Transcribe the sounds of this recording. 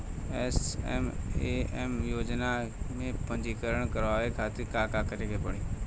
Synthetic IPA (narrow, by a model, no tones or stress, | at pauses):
ɛːsɛ̰meemjoːd͡ʒnamẽpɐ̃ɲd͡ʒikəɾəɽ̃kəɾʋaːʋekʰaːt̪ikaːkakəɾekʰepəɽ̃iː